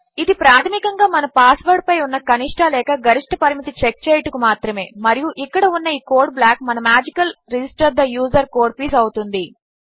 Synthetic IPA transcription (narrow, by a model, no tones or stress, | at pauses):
id̪ipɾaːt̪ʰɐmikɐŋɡaːmɐnɐpaːsʋɐɾɖ̚pɐjunːɐkɐniʂʈʰɐlɛːkɐɡɐɾiʂʈʰɐpɐɾimit̪it͡ʃek̚t͡ʃeːjɐʈukumaːt̪ɾɐme̞ːmɐɾijuʔikːɐɽɐunːɐiːkoːɾɖ̚blaːk̚mɐnɐmaːd͡ʒikɐlɾed͡ʒisʈɐɾd̪ɐjuːzɐɾko̞ːɾɖ̚piːs̬ɐwut̪und̪i